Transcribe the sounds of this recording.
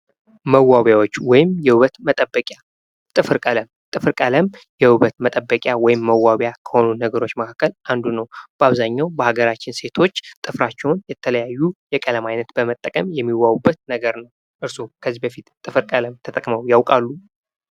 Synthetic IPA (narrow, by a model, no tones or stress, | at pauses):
məwːawjawot͡ʃːwɔjɪmjɛhɨβət̪mət̪ʼəbːəkʼja | t̪ʼɨfɨɾkʼələmt̪ʼɨfɨɾkʼələmjɛhɨβət̪mət̪ʼəbːəkʼjawɔjɪmːəwːawjakʰə̥ho̞nunəɡəɾot͡ʃːməkʰakːəlʔand̪unəwb̥əaβzaɲːawbəhaɡəɾat͡ʃːɪnse̞t̪ʰo̞t͡ʃːt̪ʼɨfɾat͡ʃːɛwunjɛt̪ʰələjajːujɛkʼələmajnət̪bəmət̪ʼːəkʼəmjɛmːiwːawubːət̪̚nəɡəɾnəw | ʔɨɾsukʰəzːibəfit̪t̪ʼːɨfɨɾkʼələmt̪ʰət̪ʼəkʼməwjawkʼalːu